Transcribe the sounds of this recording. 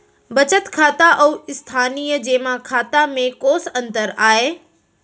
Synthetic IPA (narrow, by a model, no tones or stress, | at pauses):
bɐt͡ɕət̪kʰaːt̪aʔəːɪst̪ʰaːnijəd͡ʑeːmãkʰaːt̪amẽkoːsɐ̃nt̪əɾaːɦeː